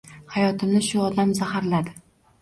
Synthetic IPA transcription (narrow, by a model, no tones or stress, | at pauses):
hajɒt̪ʰɪmnɪʃʊɒd̪amzahaɾlad̪ɪ